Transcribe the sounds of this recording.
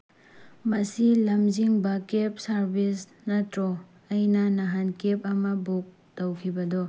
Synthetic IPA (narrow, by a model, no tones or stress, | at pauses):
mɐsilɐmziŋbɐkep̚sɐɾbis | nɐtɾɔ | ɐjnɐnaɦankep̚ɐmɐbok̚ | towkʰibɐdɔ